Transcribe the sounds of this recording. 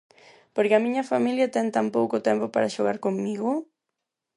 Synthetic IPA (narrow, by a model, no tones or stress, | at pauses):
poɾkɪɐmiɲɐfamiljɐt̪ɛŋt̪ampowkʊt̪ɛmpopaɾaʃoɣaɾkoŋmiɣʊ